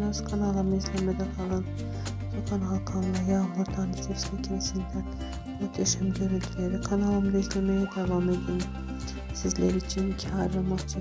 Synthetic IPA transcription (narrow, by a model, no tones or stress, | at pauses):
nazkʰanalˠamɯizlʲemɛd̪ɛkʰalˠan | tʰikʰanalˠkʰanlˠajamuɾd̪ʰanbit̪ʰeɾslecʰiɾesind̪æn | jiɾd̪eʃɯmɟø̞ɾynt̪ʰylʲeɾikʰanalˠamd̪aizlʲemejɛd̪evame̞d̪in | sizlʲeɾiːt͡ʃʰinicʰihaɾvamat͡ʃʰɯ